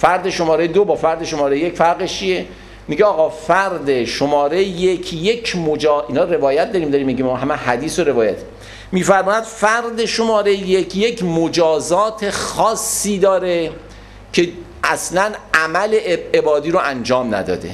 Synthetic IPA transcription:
fæɾd̪e̞ʃo̞mɒːɾejed̪obɒːfæɾd̪e̞ʃomɒːɾejejecfæɾɣeʃt͡ʃʰije̞ | miːɟeɒːɣɒːfæɾd̪eʃomɒːɾejjecʰje̞kʰmod͡ʒɒːʔiːnɒːɾe̞vɒːjæt̪̚d̪ɒɾiːmd̪ɒɾimːiɟimɒɦæmehæd̪iːsoɾe̞vɒːjæt̪ʰ | miːfæɾmɒːjæd̪̥fæɾd̪e̞ʃomɒːɾejjekʰjecʰmod͡ʒɒːzɒːt̪ʰe̞xɒːsːiːd̪ɒːɾe̞ | cʰe̞ | ʔæslænæmæle̞ʔebebɒːd̪iːɾoʔænd͡ʒɒːmnæ̰d̪ɒ̰ːd̪e̞̰

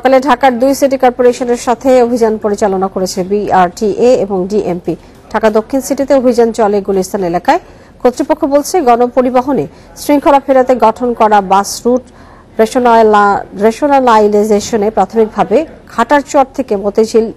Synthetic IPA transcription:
ʃɔkaleɖʱakaɾd̪ujsiʈ̬ikɔɾpoɾeʃoneɾʃat̪ʰeobʱid͡ʑanpoɾit͡ɕalonakoɾet͡ɕʰebiaɾʈiʔeeboŋɖiʔempi | ɖʱakad̪okʰːinsiʈit̪eobʱid͡ʑant͡ɕɔleɡulist̪ʰanelakae | kʰot̪ːɾipokʰːobolt͡ɕʰeɡɔnopoɾibaɦone | sɾiŋkʰoɾafeɾat̪eɡɔʈʰonkɔɾabasɾuʈ | ɾeon | ɾeʃonalajlazeʃonepɾat̪ʰomik̚bʱabekʰaʈaɾt͡ɕɔɾ̚t̪ʰekemot̪ed͡ʑʰil

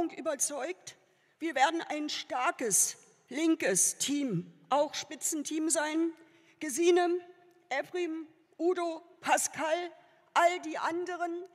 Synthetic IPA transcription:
ʊŋkʔyːbɐt͡sɔʏkt | v̥iːɐveːɐdn̩ʔa̰ɪnʃtaɐkəs | lɪŋkəstʰiːmʔaʊxʃpɪt͡sn̩tʰiːmzaɪn | ɡ̥əziːnə | ʔɛpʁim | ʔuːdopʰaskʰal | ʔaldiːʔandəʁən

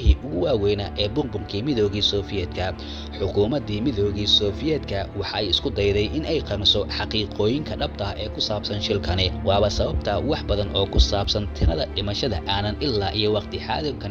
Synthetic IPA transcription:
ɦiːʔʊɣʊwaːwɛjnɐʔɛːbʊmbʊŋkʰiːmɪðɔːɣiːsɔːfɪjɛːd̪kʰɐ | ħʊkʰuːmɐd̪iːmɪðɔːɣiːsɔːfɪjɛːd̪kʰɐwɑħɑɛjɪskʰʊd̪ɛjðɛjʔɪnɛjqɑmɪsɔħɑqiːqɔːjɪŋkʰɐɖɐb̚t̪ʰɐʔɛːkʰʊsaːbsɐnʃɪlkʰɐnɛwɑːβɐsɐβɐb̚t̪ʰɐwɑħbɐðɐnʔɔːkʰʊsaːbsɐnt̪ʰɪnɐðɐɖɪmɐʃɐðɐʔaːnɐnʔɪlːaːʔijɔwɑqt̪ʰɪħɑ̰ːðʊkʰɐn

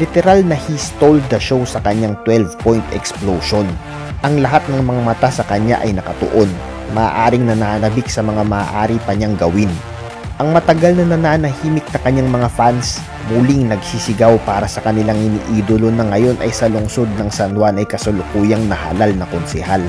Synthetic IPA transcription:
lɪt̪ɛɾalnɐhist̪oldd̪ɐʃo̞wsɐkɐɲaŋt̪wɛlvpojnt̪ɛ̰ksplowʃon | ʔɐŋlɐɦat̪̚nɐŋmɐŋamɐt̪asɐkɐɲa̰ʔɐjnɐkɐt̪o̰ʔo̞n | mɐːʔaːɾɪŋnɐnanɐbɪk̚sɐmɐŋamɐːʔaːɾipɐɲaŋɡɐwɪn | ʔɐŋmɐt̪ɐɡalnɐnɐnaːnɐhiːmɪk̚nɐkɐɲaŋmɐŋafans | muːlɪŋnɐɡsisɪɡawpaːɾɐsɐkɐnɪlaŋɪnḭːʔiːd̪olo̞nɐŋɐjo̞nʔɐ̰jsɐlʊŋso̞d̪̚nɐŋsɐnwanɐjkɐsolʊkuːjɐŋnɐha̰lalnɐkonsɛhal

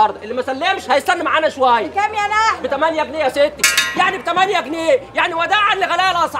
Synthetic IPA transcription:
ɑɾˤd̪ˤɑʔelːimæsælːemʃhæjest̪ænːimaʕaːnæʃowæjːækæmjænabɪt̪æmænjæɡnejæset̪ːjaʕnibt̪æmænjæɡnejaʕniwæd̪æːʕalːiɣælæːlʔɑsˤ

